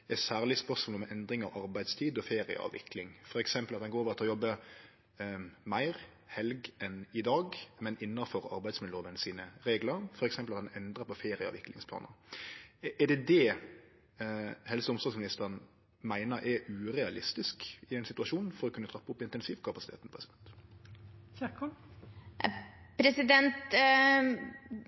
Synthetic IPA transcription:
ɛsæːʁlɪspœsmɔːlmɛʔɛnd̪ɾɪŋɑʋɑɾbæɪd̪st̪ʰiːd̪ɔfeːɾɪə̰ɑ̰ːʋɪ̰klɪŋfɔɾɛksɛmpəlɑt̪̚d̪nɡoːɾoʋʁɑt̪ʰɔjɔbːə | mæɪʁ | hɛlɡʔɛnɪd̪ɑːɡmɛnɪnːɑfɔɾɑ̰ɾbæɪsmɪd̪oːʋənsiːnəɾeːɡləɾfɔɾɛksɛmpəlɑt̪d̪ɛnɛnd̪ɾəpɔfeːɾɪɑ̰ːʋɪkːlɪ̰ŋspʰlɑ̰ːnə̰ɾ | ʔɛɖɛd̪ɛ | hɛlsəʊmst̪ɑːɡsmɪnɪst̪əɾən | mæɪnəɾʔɛɾʉːɾɛɑlɪst̪ɪskɪæɪnsɪt̪ʉɑʂuːnfɔɾɔkʉnːət̪ʰɾɑpːʊpːɪnt̪ɛnsiːʋkʰɑpɑsɪ̥t̪ʰḛːt̪n̩pʰʁɛsɪd̪ɛnt̪ | çɛkɔ | pʰɾɛsɪd̪ɛnt̪

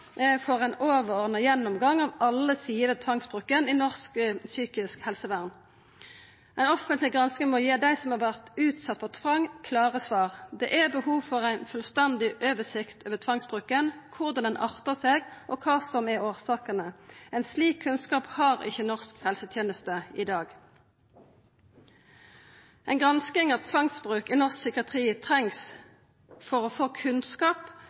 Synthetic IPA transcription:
fɔʁæɪnoːʋəɔʁnəjɛnːɔmɡɑŋːɑʋɑlːəsiːəʋət̪ʰʋɑŋsbʁʉːkːəninɔʁsksyːkɪskhɛlsəʋæʁn | æɪnɔfənt̪lɪɡʁɑnskəŋmɔjeːd̪æɪsɔmhɑʁʋæʁt̪ʉːt̪sɑt̪̚ːpʰɔt̪ʰʋɑŋkʰlɑːʁəsʋɑːʁd̪ɛʔɛbəhuːʋfɔʁæɪnfʉlst̪ɛnd̪ɪʔøːʋəsɪkt̪øːʋət̪ʰʋɑŋsbʁʉːkːənkʰʊʁd̪ɑnd̪ɛnʔɑʁt̪əʁseːɡʔɔkʰɑːsɔmɛoːʁsɑːkənəɛɪnsliːkʰːʉnskɑːphɑːʁɪ̰çːənɔʁskhɛlsət̪ʰjeːnəst̪əɪd̪ɑːɡ | æɪnɡʁɑnskɪŋɑtt̪ʰʋɑŋsbʁʉːkɪnɔʁsksʏkɪɑt̪ʰʁiːt̪ʰʁɛŋs | fɔʁofoːkʰʉnskɑːp

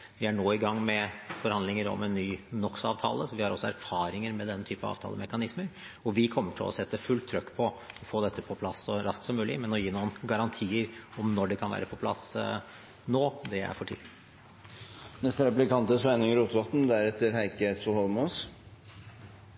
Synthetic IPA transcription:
ʋɪæɳoːɪɡɑŋːmɛfɔɾhɑnd̪lɪŋəɾɔ̰mɛnːyːnɔksɑːʋt̪ʰɑ̰ːləsɔʋɪhɑɾɔ̰sːɔæɾfɑːɾɪŋəɾmɛd̪ɛnːət̪ʰyːpəɑ̰ʋt̪ʰɑ̰ːləmɛkɑnɪsmən | ɔʋɪkʰɔmːəʈʰɪlʔɔ̰sɛt̪ːəfʉlt̪ʰːɾœkːpʰɔɔfoːd̪ɛt̪ːəpʰɔpʰlɑsːɔɾɑskt̪sɔmʉːlɪ̰mɛnɔjiːnuːənɡɑɾɑnt̪ʰiːəɾɔmnɔɖɛkʰɑnʋæ̰ːɾəpʰɔpʰlɑ̰s | noːd̪ɛæ̰ɾfɔʈʰḭːlɪ | nɛst̪əɾɛplɪkɑnt̪əsæɪnɪŋɾuːt̪ʋɑt̪n̩d̪æɾɛt̪ːəɾhæɪkəsɔhɔlmuːs

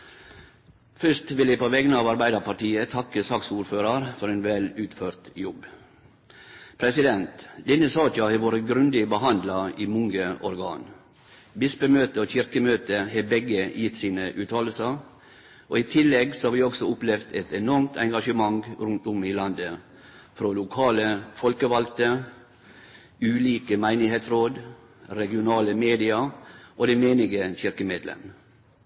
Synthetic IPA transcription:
fʏʂt̪ʋɪljɪpʰoːʋɛɡənəɑːʋɑɾbæɪd̪ɑɾpʰɑʈiːət̪ʰɑkːəsɑksuːɾføːɾɑɾfɔɾeːnʋɛlʉːt̪føːɾt̪jɔb | pʰɾɛsɪd̪ɛnt̪d̪ɛnəsɑːt͡ʃɑheːʋoːɾəɡɾʉnd̪ɪbəɦɑnd̪lɑiːmʊŋɡəʔɔɾɡɑ̰ːn | bɪspəmøːt̪əoːçɪɾkəmøːt̪əheːbɛɡəjɪt̪siːnəʔʉːt̪ʰɑːləl̩sə | ʔoːit̪ʰɪlːɛɡsɔhɑːɾʋiːɔksɔʊplɛʋd̪ɛt̪ɛnɔɾmt̪ʰɛŋɡɑʃəmɑŋɾʉnt̪ʊmɪlɑnd̪ə | fɾoːlʊkʰɑːləfɔlkəʋɑlt̪ə | ʉːliːkəmæɪnɪheːt̪sɾoːd̪ | ɾɛɡɪʊnɑːləmeːd̪ɪɑʔoːd̪ɛmeːnɪɡəçɪɾkəmeːd̪lɛ̰m

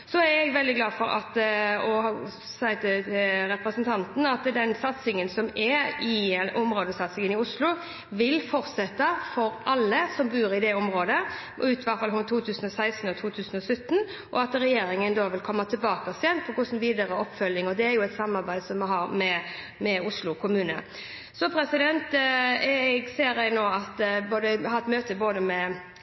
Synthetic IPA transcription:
sɔæɾɛɡʋɛld̪ɪɡlɑːd̪fɔɾɑ̰t̪ɔh | sæɪt̪ɪɾɛpɾəsənt̪ʰɑnt̪n̩ɑt̪d̪ɛnsɑt̪sɪŋənsɔmɛɪʔɔmɾoːd̪əsɑt̪sɪŋənɪʊslʊ | ʋɪlfɔɾt̪sɛt̪ːɑfɔɾʔɑlːəsɔmbʉːɾɪd̪ɛɔmɾoːd̪ə | ʉːt̪ʋæt̪fɑlhʉnt̪ʰuːt̪ʰʉːsən̩ɔsæɪst̪n̩ɔt̪ʰuːt̪ʰʉːsən̩ɔsœt̪ːn | ʔɔɑt̪ɾɛjeːɾɪŋənd̪oːʋɪlkʰɔmːɑt̪ʰɪbɑːkɑsjɛnpʰɔkʰʊsn̩ʋiːd̪əɾəɔpːfœlːɪŋɔd̪ɛæɾjʊɛt̪sɑmːɑɾbæɪd̪sɔmːɛɦɑɾmɛ | mɛʊslʊkʰʊmʉːnə̰ | sɔpʰɾɛsɪd̪ɛnt̪ | ɡseːɾɛɪnoːɑt̪boːd̪əɛhɑɾɛt̪møːt̪əboːd̪əmɛ

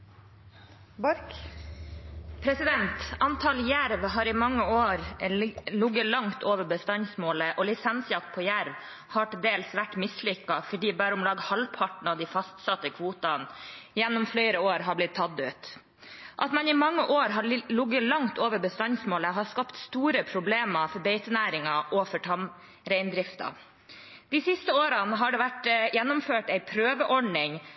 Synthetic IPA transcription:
pʰɾɛsɪd̪ɛnt̪ɑnt̪ʰɑljæɾʋɦɑːɾɪmɑŋːəoːɾ | lʊɡəlɑŋt̪ʰoːʋəɾbəst̪ɑnsmoːləʔɔlɪsɛnsjɑkt̪̚pʰɔjæɾʋ | hɑːʈɪld̪eːlsʋæʈːmɪslʏkːɑfɔɖiːbæːɾəʊmlɑːɡhɑlpʰɑʈn̩ɑd̪ifɑst̪sɑt̪ːəkʰʋuːt̪ɑnjɛnːɔmfleɪɾəoːɾɦɑblɪt̪ʰːɑd̪ʉːt̪ | ʔɑt̪mɛnɪmɑŋːəʔoːɾɦɑlʊɡːəlɑŋt̪oːʋəɾbəst̪ɑnsmoːləɦɑskɑpt̪st̪uːɾəpʰɾʊbleːmɑfɔɾbeɪt̪ənæːɾɪŋɑʔɔfɔʈʰɑm | ɾæɪnd̪ɾɪft̪ɑ̰ | d̪̥isɪst̪əoːɾɑnəɦɑɖɛʋæʈjɛnːʊmføːʈæɪpʰɾøːʋəʔɔɖɳɪŋ

